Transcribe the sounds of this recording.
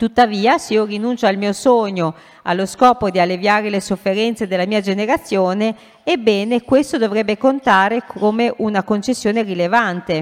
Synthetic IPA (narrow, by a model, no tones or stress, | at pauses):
t̪ut̪ːaviːasiorinunt͡ʃoalmiːosoːɲo | a̰lːoskɔːpod̪ialːevjaːɾelesofːeɾɛnt̪sed̪elːamiːad͡ʒeneɾat̪sːjoːneː | bːɛːnekwest̪od̪ovɾɛbːekont̪aːɾekʰomeʔunakont͡ʃesːjoːnerilevant̪e